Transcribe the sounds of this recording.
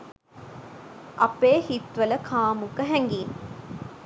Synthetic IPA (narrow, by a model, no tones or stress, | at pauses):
ʔɐpeːhit̪ʋələkʰaːmukəɦæŋɡiːn